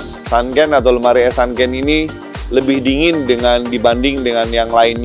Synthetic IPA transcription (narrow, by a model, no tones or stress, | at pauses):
sankɛnat̪awləmaɾiɛsankɛnini | ləbɪhdiŋɪndəŋandibandɪŋdəŋanjaŋlaɪn